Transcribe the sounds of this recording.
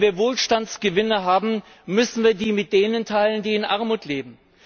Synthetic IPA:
viːɐvoːlʃtant͡sɡ̥əvɪnəɦaːbm̩ | mʏsn̩viːɐdiːmɪt̚d̥eːnəntʰaɪləndiːɪnʔaɐmuːtleːbm̩

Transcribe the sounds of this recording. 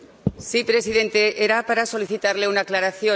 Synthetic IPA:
sipɾe̞sið̞e̞nt̪e̞ʔeɾapaɾaso̞liθit̪aɾleunaklaɾaθjo

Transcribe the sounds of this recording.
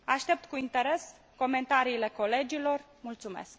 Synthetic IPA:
aʃt̪e̞p̚t̪kuint̪e̞ɾe̞s | ko̞me̞nt̪aɾiːle̞ko̞le̞d͡ʒilo̞r | mult̪sume̞̰sk̚

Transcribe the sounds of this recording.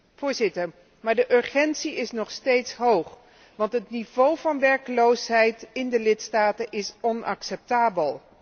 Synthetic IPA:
v̥ʊːɹzɪtəɹ | maːɹdəʔɵɹχɛntsiɪsnɔχstejtsɦowχ | ʋɑntɦətnivowvɑnʋɛɹkəlowsɦɛjtɪndəlɪtstaːtənʔɪsɔnɑ̰ksɛp̚taːbəlˠ

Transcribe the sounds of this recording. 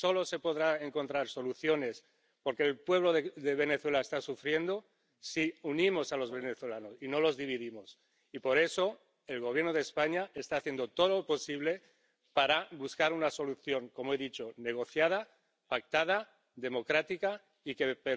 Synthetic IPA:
so̞lo̞se̞po̞ðɾae̞ŋkont̪ɾaɾso̞luθjo̞ne̞s | po̞ɾke̞ːlpwe̞β̞loððe̞β̞e̞ne̞θwe̞laest̪asufɾje̞nd̪o̞ | siunimo̞salo̞zβeneθwelano̞sino̞lo̞zðiβ̞iðimo̞s | ipo̞ɾe̞so̞ | e̞lɣ̞o̞β̞je̞ɾnoð̞espaɲae̞st̪aːθjend̪o̞t̪o̞ðolopo̞siβle̞ | paɾaβuskaɾunaso̞luθjo̞ŋko̞moe̞ðit͡ʃo̞ne̞ɣ̞o̞θjað̞a | pak̚t̪að̞a | ðe̞mo̞kɾat̪ika | ike̞pe

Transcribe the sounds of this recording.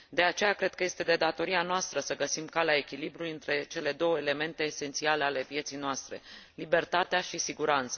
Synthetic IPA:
d̪e̞at͡ʃe̞jakɾe̞d̪̚kəje̞st̪e̞d̪e̞d̪at̪o̞ɾianoast̪ɾəsəɡəsimkalae̞kʲilibɾulujɨnt̪ɾe̞t͡ʃe̞le̞d̪o̞wəele̞me̞nt̪e̞ːse̞nt̪siale̞ale̞pje̞t̪sijnoast̪ɾe̞̰libe̞rt̪at̪eaʃisiɡuɾant̪sə

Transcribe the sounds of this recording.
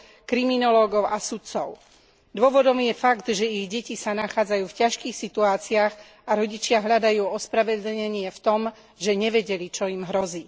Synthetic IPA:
kɾiminɔlɔːɡɔʊʔasut̪t͡sɔʊ | d̪ʊɔʋɔd̪ɔmjɛfaɡd̪ʒɛiɣɟɛcisanaxaːd͡zajuːfcaʃkiːxsit̪uaːt͡siax | aɾɔɟit͡ʃɪaɦʎad̪ajuːɔspɾaʋɛd̪l̩ɲɛɲɪɛft̪ɔm | ʒɛɲɛʋɛɟɛlit͡ʃɔimɦɾɔziː

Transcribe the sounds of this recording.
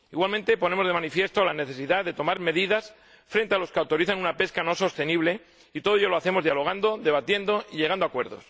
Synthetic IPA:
iɣwalmẽnt̪e̞pone̞mozð̞e̞manifje̞st̪o̞lane̞θe̞siðaðe̞t̪o̞maɾme̞ðiðas | fɾe̞nt̪e̞alo̞skeawt̪o̞ɾiθanunape̞skano̞so̞st̪e̞niβle̞ | it̪o̞ð̞eʝoloaθe̞mo̞zðjalo̞ɣ̞and̪o̞ðe̞β̞at̪je̞nd̪o̞iʎe̞ɣ̞and̪oakwe̞ɾðo̞̰s

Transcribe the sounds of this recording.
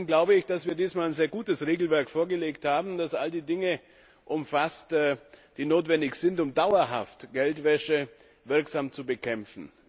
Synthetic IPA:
nɡlaʊbəɪçd̥asv̥iːɐdiːsmaːlaɪnzeːɐɡuːtəsʁeːɡl̩vɛɐkfoːɐɡəleːkthaːbm̩dasʔaldiːdɪŋə | ʔʊmfastːd̥iːnoːtv̥ɛndɪçz̥ɪntʊmdaʊɐɦa̰ftɡ̥ɛltv̥ɛʃə | vɪɐkz̥aːmt͡subəkʰɛmfn̩

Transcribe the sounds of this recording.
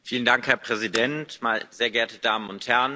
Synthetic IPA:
fiːləndaŋkhɛɐpʁ̥ɛzidɛntmaːlzeːɐɡɛɐtədaːmənʊnthɛɐən

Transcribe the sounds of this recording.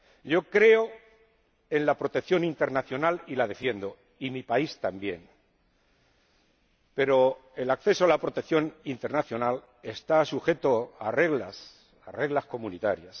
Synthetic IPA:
ɟ͡ʝo̞kɾe̞o | e̞nlapɾo̞t̪e̞kθjo̞nint̪e̞ɾnaθjo̞nalilað̞e̞fje̞nd̪o̞ | imipaist̪ambje̞̰n | pe̞ɾo̞e̞lakθe̞soalapɾo̞t̪ekθjo̞nint̪e̞ɾnaθjo̞nal | e̞st̪asuxe̞t̪o̞are̞ɣlas | are̞ɣlasko̞munit̪aɾjas

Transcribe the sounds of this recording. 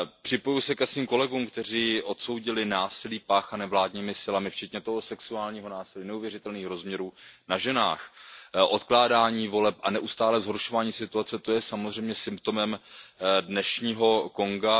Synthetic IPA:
pr̥ɪpo̞jusɛkɛsviːmko̞lɛɡuːmkt̪ɛr̝iːʔo̞t̪so̞wɟɪlɪnaːsɪliːpaːxanɛvlaːdɲiːmɪsɪlamɪft͡ʃɛt̪ɲɛt̪oɦosɛksuaːlɲiːɦo̞naːsɪliːnɛuvjɛrɪt̪ɛlniːxɾo̞zmɲɛɾuːnaʒɛna̰ːxʔo̞t̪klaːdaːɲiːvo̞lɛpʔanɛʔust̪aːlɛzɦo̞ɾʃo̞vaːɲiːsɪt̪uat͡sɛt̪o̞jɛsamozr̝ɛjmɲɛsɪmpt̪o̞mɛmdnɛʃɲiːɦo̞ko̞ŋɡa

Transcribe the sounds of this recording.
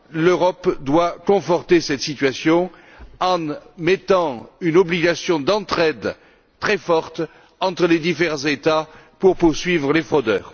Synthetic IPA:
løʁɔpd̪wakɔ̃fɔʁt̪esɛt̪sit̪ɥasjɔ̃ | ɑ̃mɛt̪ɑ̃ynɔbliɡasjɔ̃d̪ɑ̃t̪χɛd̪ | t̪χɛfɔʁt̪ | ɑ̃t̪χəled̪ifeʁɑ̃zet̪apuʁpuʁsɥivʁəlefχɔd̪œːʁ

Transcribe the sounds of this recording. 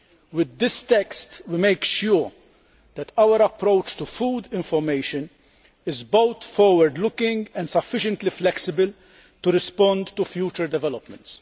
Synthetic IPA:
wɪd̪ːɪst̪ɛkst̪wimeɪkʃʊɾ | d̪̥ɛt̪ʰɐwəɾɐpɾowt͡ʃt̪ufuːd̪ɪ̃ɱfɔɾmeɪʃən | ɪzbowt̪fɔːɾwəɾd̪lʊkɪ̃ŋɡɛ̃nd̪sɐfːɪʃə̃nt̪liflɛksɪbəl | t̪uɾɪspɔ̃nd̪t̪ufjuːt͡ʃəɾd̪ɛvɛlɔpmə̃nt̪s

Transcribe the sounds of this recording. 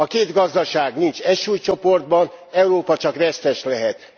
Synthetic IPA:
ɒkeːd̪ɡɒzd̪ɒʃaːɡnint͡ʃɛʃuːjt͡ʃo̞po̞rd̪̚bɒnɛuɾoːpɒt͡ʃɒkrɛst̪ɛʃlɛɦɛt̪

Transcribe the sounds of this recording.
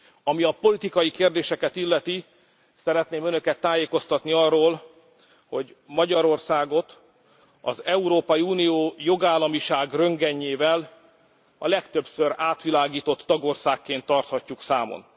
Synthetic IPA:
ɒmiɒpo̞lit̪ikɒjikeːrd̪eːʃɛkɛt̪ilːɛt̪i | sɛɾɛt̪neːmø̞nø̞kɛt̪ːaːjeːko̞st̪ɒt̪niɒrːoːl | ho̞ɟmɒɟɒɾo̞rsaːɡo̞t̪ | ɒ̰zɛuɾoːpɒjiuːnijoːjo̞ɡaːlːɒmiʃaːɡrø̞ŋɡɛɲːeːvɛl | ɒ̰lɛkt̪øbsøɾaːt̪ʋilaːɡiːt̪o̞t̪ːɒɡo̞rsaːkːeːnt̪ːɒrt̪hɒcːuksaːmo̰n

